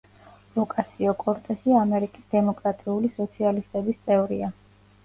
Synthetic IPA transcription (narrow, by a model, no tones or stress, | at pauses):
ɾɔkʼasʰiɔkʼɔɾt̪ʼɛsiamɛɾikʼisd̪ɛmɔkʼɾat̪ʼiulisɔt̪sʰialist̪ʼɛbist̪sʼɛvɾḭa